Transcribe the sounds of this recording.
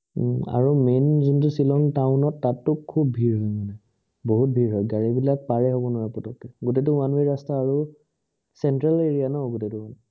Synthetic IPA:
a̰ɹumenzuntusilɔŋtaʊnɔtːatːʊbkkʰubbʱiɹɦɔjmanɛ | boɦut̚bʱiɹɦɔjɡaɹibilak̚paɹɛɦɔbɔnɔɹapɔtɔkɛɡutet̬uanbeɹastaːɹu | sɛntɹaleɹijanɔʊɡutetuan

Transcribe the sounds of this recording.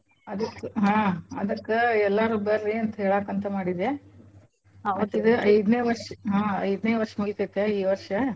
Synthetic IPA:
ɐd̪ɐkːɦãːɐ̰d̪ɐkːeɛlːaːɾubɐɾːiɐnt̪ɐɦeːɭaːkɐnt̪ɐmaːɽid̪e | ɐtːid̪uɐjd̪neːʋɐɾʂɐɦãːɐjd̪neːʋɐɾʂɐmuɡit̪ɐjt̪ːeiːʋɐɾʂɐ

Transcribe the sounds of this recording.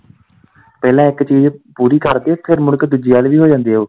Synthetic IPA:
pɛːlãːɪkt͡ʃiːd͡ʒpuːɾiːkəɾd̪eːpʰɪɾmʊlkd̪ud͡ʒiːaːlʋiːɦoːd͡ʒãːnd̪eːoː

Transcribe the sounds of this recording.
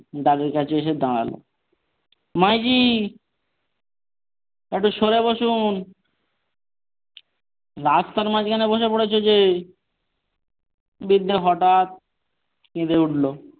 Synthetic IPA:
ɖ̪aɡiɾkat͡ɕʰeeʃ̬ed̪ãɽa̰lo̰ | majd͡ʑi | ek̚ʈuʃoɾeboʃun | ɾast̪aɾmad͡ʑkʰaneboʃ̬epoɽet͡ɕʰod͡ʑe | bid̪ːeɦɔʈat̪̚ | kẽd̪euʈlo

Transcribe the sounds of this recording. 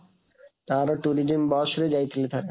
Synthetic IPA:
t̪aɾoʈuɾid͡ʑembɔʃuɾed͡ʑajt̪ʰilet̪ʰaɾe

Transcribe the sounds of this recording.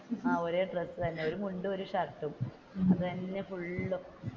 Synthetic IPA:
aːoɾeɖresɨt̪ɐnːeo̞ɾumuɳɖɨo̞ɾuʂaːkʈːum | ɐðɨt̪ɐnːe̞fuɭːu

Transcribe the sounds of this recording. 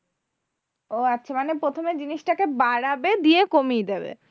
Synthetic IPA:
oatːɕʰamanepɾot̪ʰomed͡ʑiniʃʈakebaɽabed̪ijekomijd̪ebḛ

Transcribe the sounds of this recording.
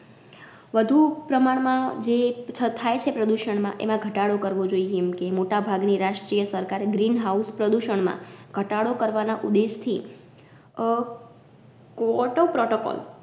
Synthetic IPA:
ʋəd̪ʱupɾəmaɽmãd͡ʒeət̪ʰajt͡ʃʰepɾəd̪uʃəɳmã̰ʔḛmãɡʱəʈaɽokəɾʋod͡ʒoieɛmkemoʈabʱaɡniɾaʃʈɾijəsəɾkaɾɡɾinɦauspɾəd̪uʃəɳmã̰ɡ̥ʱəʈaɽokəɾʋanaʔud̪eʃt̪ʰi | kɔʈopɾɔʈokɔ̰l

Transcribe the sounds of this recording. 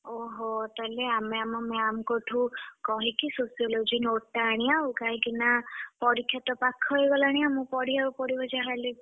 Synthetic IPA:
ɔɦɔt̪aleameamɔmɛamkɔʈʰũkɔɦĩkisosijɔlod͡ʒinotːaɽ̃ijawkaɦĩkinapɔɾikʰːjat̪ɔpakʰːɔjɡɔlaɽ̃iamũpɔɽiaɾupɔɽibɔd͡ʒaɦale

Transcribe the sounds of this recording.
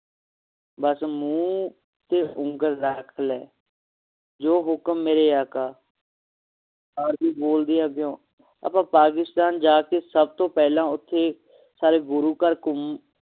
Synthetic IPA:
bəsmũː | t̪eːʔʊ̃ŋɡəɾːəkʰlɛː | d͡ʒoːɦʊkmːeːɾeːaːkaː | aːɾbiːboːld̪iːãːbɪjõː | a̰ːpãːpaːk̬ɪst̪aːnd͡ʒaːkeːsəb̚t̪õːpɛːlãːʊt̪ʰːeː | saːɾeːɡʊɾuːkəɾkʊm

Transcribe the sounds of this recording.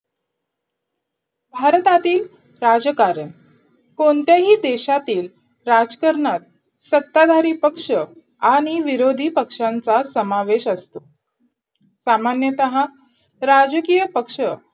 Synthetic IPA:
bʱaɾt̪at̪iːl | ɾad͡zəkaɾən | koɳt̪jaɦiːd̪eɕat̪iːl | ɾad͡zkəɾɳat̪ | sət̪ːad̪ʱaɾiːpəkʂə | aɽ̃iʋiɾod̪ʱiːpəkʂant͡sasəmaʋeɕəst̪o | samanjət̪əɦã | ɾad͡zəkiːjəpəkʂə

